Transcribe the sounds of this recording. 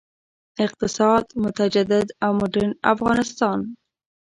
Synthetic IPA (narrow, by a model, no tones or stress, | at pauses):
ɪq̚t̪ɪsɑd̪mʊt̪ad͡ʒad̪ɪd̪awmʊɖɪɾna̰fɣɑnɪst̪ɑn